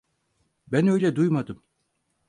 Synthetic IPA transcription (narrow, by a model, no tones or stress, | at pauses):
bænø̞jlʲɛd̪ujmad̪ɯm